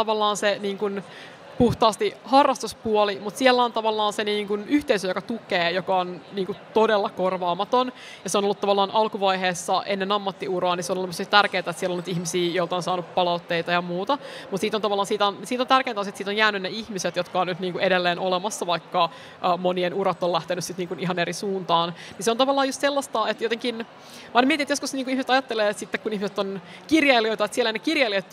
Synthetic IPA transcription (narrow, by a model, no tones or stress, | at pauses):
t̪ɑʋɑlːɑːnseniːŋkun | puht̪ɑːst̪ihɑrːɑst̪uspuolimut̪sielːæont̪ɑʋɑlːɑːnseniːŋkunyht̪eisøjokɑt̪ukeːjokɑonniːŋkut̪odelːɑkorʋɑːmɑt̪on | jɑseonolːut̪ɑʋɑlːɑːnʔɑlkuʋɑjɦeːsːɑʔenːenɑmːɑt̪ːiurɑːniseonolːmosiːtt̪ærkeːt̪æet̪sielonyt̪ihmisiːjoilt̪ɑonsɑːnuppɑlɑut̪ːeit̪ɑjɑmuːt̪ɑmut̪siːt̪ont̪ɑʋɑlːˑɑːnsiːt̪ænsiːt̪ont̪ærkeːnt̪ɑˑnset̪iːt̪onjæːnynneihmiset̪jot̪kɑonnyt̪niːŋkuedelːeːnʔolemɑsːɑʋɑikːɑ | ʔmonienuɾɑt̪ːolæht̪enyssit̪niːŋkuniɦɑnerisuːnt̪ɑːnniseont̪ɑʋɑlːɑːjust̪selːɑst̪ɑet̪jot̪eŋkin | mɑinmiet̪inet̪joskusniːŋkuihmiset̪ɑjɑt̪ːeleːsit̪ːekunihmiset̪ːon | kirjɑiliojt̪ɑet̪sieɛlːænekirjɑiliot̪